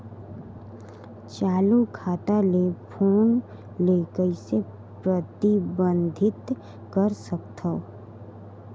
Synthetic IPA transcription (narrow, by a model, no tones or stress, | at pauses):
t͡ʃaːlukʰaːt̪alepʰoːn | leːkəise | pɾət̪ibə̃nd̪ʱɪt̪ | kəɾsək̚t̪ʰəo